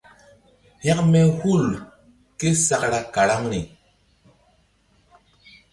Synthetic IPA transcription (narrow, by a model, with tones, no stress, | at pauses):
ha˦kme˨hu˦˨l | ke˦sa˨kɾa˨ka˨ɾa˦ŋni˨